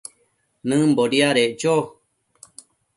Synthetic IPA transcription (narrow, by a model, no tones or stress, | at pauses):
nɨ̃mboɾiaɾed͡ʒo